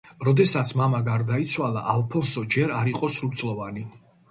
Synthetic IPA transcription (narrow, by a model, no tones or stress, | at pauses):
ɾɔd̪ɛsat̪sʰmamaɡaɾd̪ait̪sʰwalˠa̰ʔalˠpʰɔnsɔd͡ʒɛɾaɾiqʼɔsɾuɾt̪sʼlˠɔvani